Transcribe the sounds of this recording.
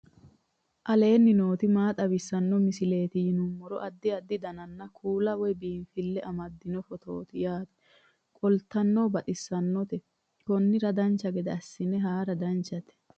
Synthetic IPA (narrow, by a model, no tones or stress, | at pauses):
ʔɐle̞ːnːɪno̞ːt̪ɪmaːt̪ʼɐbɪsːɐnːɔmɪsɪle̞ːt̪ɪjɪnumːɔɾɔʔɐd̪ːɪɐd̪ːɪd̪ɐnɐnːɐkʰuːlɐwɔbiːnfɪlːɛʔɐmɐd̪ːɪnɔfɔt̪o̰ːt̪ɪjaːt̪ɛ̥ | kʼɔlt̪ːɐnːobɐt̪ʼɪsːɐnːɔt̪ɛ | kɔnːɪɾɐd̪ɐnt͡ʃːɐɡɛd̪ɛɐsːɪnɛɦaːɾɐd̪ɐnt͡ʃːɐt̪ɛ̥